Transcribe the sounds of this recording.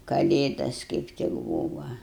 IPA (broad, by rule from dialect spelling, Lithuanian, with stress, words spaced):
kɐˈlʲeːdɐs kɐɪp ˈtʲɪk ˈbuːʋɐ